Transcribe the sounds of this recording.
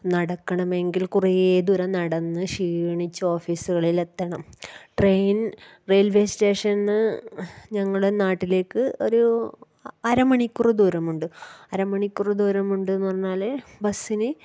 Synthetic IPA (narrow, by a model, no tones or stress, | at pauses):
nɐɽɐkːɐɳɐme̞ŋɡilkurijeːd̪uɾɐnɐɽɐnːɨɕiːɳit͡ɕːuo̞ːfiːsuɣɐɭile̞t̪ːɐɳɐmʈrejn | re̞ːlʋe̞ːsʈe̞ːʂɐnːɨ | ɲɐŋːɐɭuɽenaːʈːile̞ːkːɨo̞̰ɾu | ɐɾɐmɐɳikʲːurud̪uːɾɐmuɳɖɨɐɾɐmɐɳikʲːurud̪uːɾɐmuɳɖɨenːʋɐrɐnːaːlebɐsinɨ